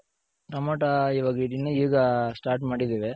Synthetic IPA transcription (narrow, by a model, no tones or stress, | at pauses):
ɾɐmoːʈaiʋɐːɡiɾinːɐiʋɡɐsʈaːɾʈmaːɽid̪eːʋe